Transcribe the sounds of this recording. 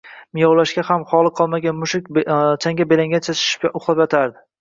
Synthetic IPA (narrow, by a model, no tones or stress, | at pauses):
mɪjɒwlaʃɡʲahamχɒlˠɨqʰɒlˠmaɡʲanmʊʃɪk̚ʲt͡ʃʰaŋɡʲabelaŋɡʲant͡ʃʰat͡ʃʰɪ̥ʃɪ̥pʔʊχlˠapjat̪ʰaɾd̪ɪ